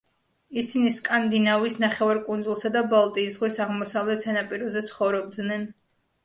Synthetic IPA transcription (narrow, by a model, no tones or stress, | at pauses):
isiniskʼand̪inavisnaχɛvaɾkʼund̪zulˠsad̪abalˠt̪ʼiːsʁwisaʁmɔsavlɛt̪ʰsanapʼiɾɔzɛt̪sʰχɔvɾɔb̚d̪nɛn